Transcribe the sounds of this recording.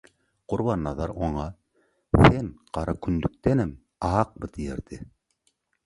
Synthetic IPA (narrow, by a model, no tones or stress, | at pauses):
qʊɾβɑnːɑðɑɾoɴɑ | senqɑɾʔɑkʰynd̪yk̚t̪ɛnɘm | ɑːq̚bɤt̪ʰijeɾd̪ɪ